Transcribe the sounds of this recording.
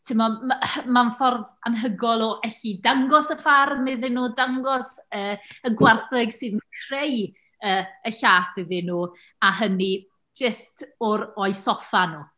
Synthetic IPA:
tʰɪmɔmanfɔrða̰nɦəɡɔlˠɔʔɛɬidaŋɡɔsəfarmɪðɪnuːdaŋɡɔsəːəɡwarθɪɡsɨːðmakʰr̥ej | əːəɬaːθɪðɪnuː | aɦəni | d͡ʒəstɔɾɔɨjsɔfanuː

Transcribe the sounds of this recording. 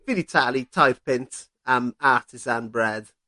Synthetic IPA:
fɪlitʰaɪlitʰaɪð̥pɪ̃nt | ə̃maˑtʰɪzãnbɹɛd̥

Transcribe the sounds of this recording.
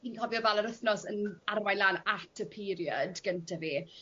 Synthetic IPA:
inkʰɔvjɔvɛlˠəɾəθnɔsənarmajlaːnatʰəpʰiɾjədɡ̥əntʰavi

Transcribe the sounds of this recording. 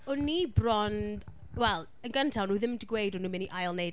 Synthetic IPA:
ʊnibrɔnd | wɛlˠ | ənɡəntʰanuːðɪmdɪɡwejdunumɪniʔajlˠnejd

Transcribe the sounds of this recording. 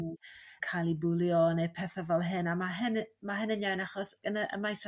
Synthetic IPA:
nkʰalˠibulˠjɔnepʰɛθavɛlˠɦɪnamaɦɪnmaɦɪnənjawnaχɔsɡ̥ənəʔə̰majs

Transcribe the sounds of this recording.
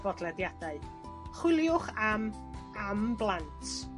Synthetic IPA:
b̥ɔdlˠɛdjadaɨ | χwɪlˠjʊχam | amblˠantʰ

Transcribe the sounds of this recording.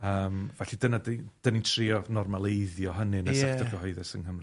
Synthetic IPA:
əːmvɛɬidənadd̥ənintʰriːɔnɔrmalˠejðjɔɦənɨnɛsɛktʰɔrɡəɦɔɨðɛsənhəmrɨ

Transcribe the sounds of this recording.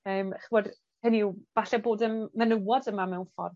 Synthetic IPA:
əːmχiwɔd | hənib̥aɬɛboːdənːənəwɔdəmamɛwnfɔ̰r

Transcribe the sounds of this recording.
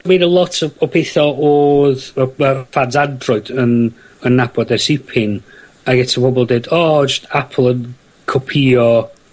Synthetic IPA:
mwedəlˠɔtʰɔɔpʰeθɔoːðəəfanzadrʊɨdən | ənːabɔdɛsɪpʰɪn | aɡɛtʰɔpʰɔbɔlˠdeːdɔːt͡ʃestapʰəl̩ˠən | kʰɔpʰiːɔ

